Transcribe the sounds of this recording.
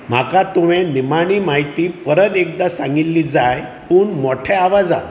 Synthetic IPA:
m̤akat̪uʋẽnimaɽ̃iːmaɦit̪iːpəɾət̪ek̚d̪asãŋɡilːid͡zaj | puːɳmoʈʰɛaʋad͡zã̰

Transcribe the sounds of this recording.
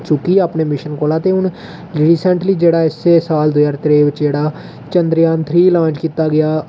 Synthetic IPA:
t͡ʃʊkiəpneːmɪʃənkoːlaːt̪eʊn | ɾiːsɛ̃ɳʈliːd͡ʒeːɽaːɪsːesaːld̪ʊjaːɾt̪ɾeːʋɪt͡ʃd͡ʒeːɽaː | t͡ʃə̃nd̪ɾjãːnt̪ʰɾiːlãːt͡ʃkiːt̪aːɡɪjaː

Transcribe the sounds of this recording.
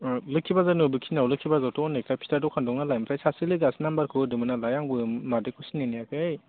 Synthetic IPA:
lɯkʰːibazanɯbɯkʰinawlɯkʰːibazawtʰɔɔnːakʰlapʰi̥taɾdɔkʰandɔŋnalajmɯtʰajsasilɯɡasinambaɾkʰɯdɯmɯnalajaŋbɯmadekʰusinenijakʰɯj

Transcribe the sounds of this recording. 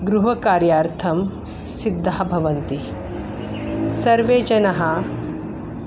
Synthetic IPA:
ɡɾuɦɐkaːɾjaːɾt̪ʰɐm | sid̪ʱːaɦɐbʱɐʋɐnt̪i | sɐɾʋeːd͡ʒɐnɐɦɐ

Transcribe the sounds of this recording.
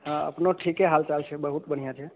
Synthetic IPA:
ɦãə̰pnoʈʰikeɦalt͡ʃalt͡ʃʰɛbəɦut̪bəɽ̤ijãt͡ʃʰɛ

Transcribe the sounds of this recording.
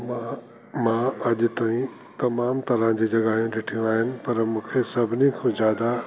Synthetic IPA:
ma | mãɐʄʊ̆t̪aːĩ | t̪ɐmaːmt̪ɐɾə̃d͡ʑiːd͡ʑɐɠaːɦijũɗɪʈʰijũaːɦɪnɪ̆pɐɾmũːkʰesɐbʱɪnikʰõːzjaːd̪a

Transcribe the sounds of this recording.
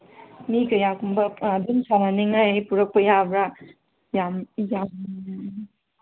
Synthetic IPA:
mikɐjakumbɐbinsananiŋapuɾɐk̚pɐjabɾa | jamjam

